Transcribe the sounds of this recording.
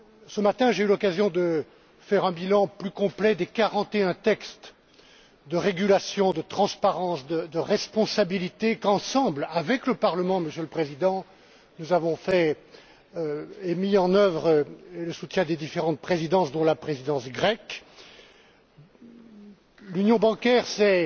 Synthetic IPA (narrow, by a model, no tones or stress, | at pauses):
səmat̪ɛ̃ʒeylɔkazjɔ̃d̪ə | fɛʁɛ̃bilɑ̃plykɔ̃plɛd̪ekaʁɑ̃t̪eɛ̃t̪ɛkst̪ | d̪əʁeɡʲylasjɔ̃d̪ət̪χɑ̃spaʁɑ̃sd̪əd̪əʁɛspɔ̃sabilit̪ekɑ̃sɑ̃blavɛkləpaʁləmɑ̃məsjøləpχezid̪ɑ̃ | nuzavɔ̃fɛ | emiɑ̃nœvʁləsut̪jɛ̃d̪ed̪ifeʁɑ̃t̪̚pχezid̪ɑ̃sd̪ɔ̃lapχezid̪ɑ̃sɡʁɛk | lynjɔ̃bɑ̃kʲɛʁsɛ